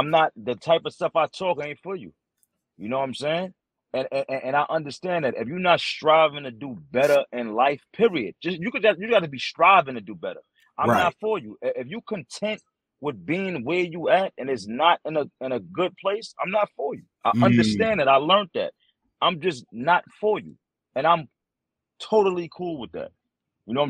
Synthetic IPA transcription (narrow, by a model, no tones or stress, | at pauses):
ãɪ̃mnət̪̚ðɨtʰaɪpʌv̥stʌfaɪtʰɔkẽfə˞jʉ̰ | jɨnoʊãɪ̃mseɪɪ̃ŋ | ɨ̃nɨ̃nʔɨ̃ʔɨ̃naɪʔʌ̃ndə˞stæ̃nðɨɾɨ̰fjə˞nətstɹ̥aɪvɪ̃ŋtʰɨdəbɛɾə˞ʔɪ̃nlaɪfpʰɪɹiɨd̚d͡ʒʌsjɨkɨɡɑjɨɡɑɾɨbistɹ̥aɪvɪ̃ŋtʰɨdɨbɛɾə̰˞ | ʔãɪmnətfə˞jɨʔɪʔɪfjɨkʰɨ̃ntʰɛ̃nʔ̚ | wɪðbiɪ̃ŋwɛjəæɾɨ̃nɨtsnəɾɨ̃nəɨ̃nɨɡʊd̚pʰl̥eɪsã̰ɪ̃mnətfə˞jʉʔaɪʔʌ̃ndə˞stæ̃nðɨɾaɪlɜ̃˞nðæ̰t̚ | ãɪ̃md͡ʒʌsnətfə˞jʉ̰ | ɨ̃ñãɪ̃m | tʰoʊɾl̩ˠikʰulˠwəðæ̰t̚ | jɨnoʊãɪ